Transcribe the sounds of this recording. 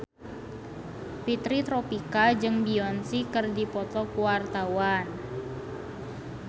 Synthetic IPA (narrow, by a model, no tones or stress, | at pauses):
pit̪ɾit̪ɾɔpikad͡ʒɨŋbiɔnsikɨrdipɔt̪ɔkuwart̪awan